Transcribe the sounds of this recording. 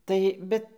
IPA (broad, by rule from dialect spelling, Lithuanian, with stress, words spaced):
ˈtɐɪ ˈbʲɛt